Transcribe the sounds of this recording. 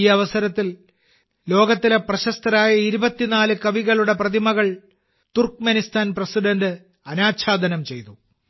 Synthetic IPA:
iːɐʋɐsɐɾɐt̪ːil | lo̞ːɡɐt̪ːileprɐɕɐst̪ɐɾaːjɐiɾubɐt̪ːinaːlɨkɐʋiɣɐɭuɽe̞prɐd̪ʱimɐɣɐɭ | t̪urkmenist̪ʰaːnprɐsiɖɐndɨ | ɐnaːɕʰaːd̪ʱɐnɐmt͡ɕe̞jt̪u

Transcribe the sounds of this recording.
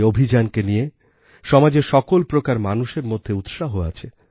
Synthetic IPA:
obʱid͡ʑankenije | ʃɔmad͡ʑeʃɔkolpɾokaɾmanuʃeɾmod̪ʱːeut̪ʃaɦoa̰t͡ɕʰe

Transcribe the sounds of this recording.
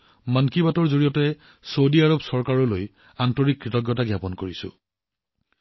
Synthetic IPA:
mankibatɔɹzoɹijɔtɛ | sowdiaɹɔbsɔɹkaɹɔloj | antɔɹikːɹitɔɡjɔtaɡjapɔnkoɹisʊ̰̃

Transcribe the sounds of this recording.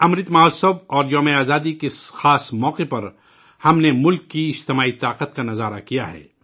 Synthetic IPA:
ɐmɾɪt̪mɐɦɔːsəbɔːɾjɔːmeaːzaːd̪ikeɪsxaːsmɔːqepɐɾ | hɐmnemʊlkːiɪd͡ʒt̪ɪmaːit̪aːqət̪̚kanɐzaːɾa̰kijaɦɛ̰ː

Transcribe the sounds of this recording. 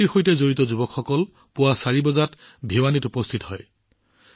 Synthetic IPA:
iɹxojtɛzoɹitɔzubɔkxɔkɔl | pʊwasaɹibɔzat | bʱiwanitupɔst̪ʰitɔɦɔj

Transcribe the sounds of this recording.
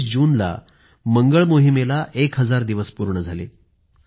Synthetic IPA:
sd͡ʑuːnla̰ | məŋɡəɭmoɦimelaʔekɦəd͡zaɾd̪iʋəspuɾɳəd͡zʱalḛ

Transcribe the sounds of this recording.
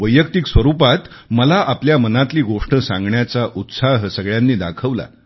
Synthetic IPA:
ʋəjːəkt̪iksʋəɾupat̪ | məlaʔapljamənat̪liːɡoʂʈəsãŋɡɳjat͡saʔut̪saɦsəɡɭjanːiːd̪akʰəʋla̰

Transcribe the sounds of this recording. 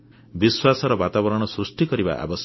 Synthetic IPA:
biswasɔɾɔbat̪abɔɾɔɽ̃ɔsɾusʈikɔɾiba̰ʔa̰bɔs

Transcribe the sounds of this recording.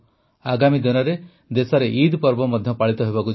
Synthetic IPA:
aɡamid̪inɔɾe | d̪esɔɾeʔid̪pɔɾbɔmɔd̪ʱjɔpaɭit̪ɔɦebaku

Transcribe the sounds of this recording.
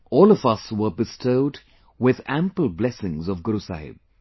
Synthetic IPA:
ɔːlˠʌvʌswə˞bɨstʰoʊd | wɪðæ̃mpəl̩ˠblɛsɪ̃ŋzʌvɡʊɾusa̰hɪ̰b̚

